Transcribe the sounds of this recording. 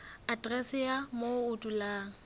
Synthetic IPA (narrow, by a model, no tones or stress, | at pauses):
atʼrɛsɪjamoʊtʼulaːŋ̩